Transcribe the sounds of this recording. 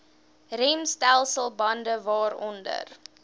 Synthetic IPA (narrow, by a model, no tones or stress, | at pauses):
rɛmstælˠsəlˠbɐndəvɑːɾɔndə̰r